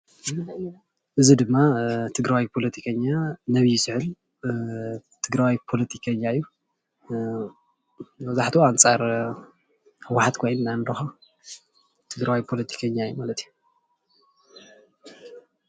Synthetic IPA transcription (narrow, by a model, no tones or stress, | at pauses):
ʔɨzid̪ɨmːat̪ʰɨɡɾawipʰo̞lɐt̪ʰikʰɐɲːanɐβijsɨʕɨl | t̪ʰɨɡɾawipʰo̞lɐt̪ʰikʰɐɲːaɨjːu | bɐzaħt̪ʰuant͡sʼaɾ | hɨwːaħat̪kʰojnɨnand̪ɐxa | t̪ʰɨɡɾawipʰo̞lɐt̪ʰi̥kʰɐɲːaɨjːumalɐt̪ʰiju